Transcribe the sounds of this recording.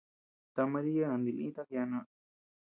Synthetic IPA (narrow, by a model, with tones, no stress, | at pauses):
t̪a˧mã˧ɾi˦ja˦nã˨nd̪i˨˧lĩ˦t̪a˦˧kja˧nã˧